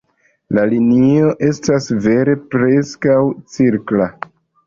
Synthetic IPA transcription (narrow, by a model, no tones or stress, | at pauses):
lalinio̞ʔe̞stasve̞ɾe̞pɾe̞skawt͡siɾkla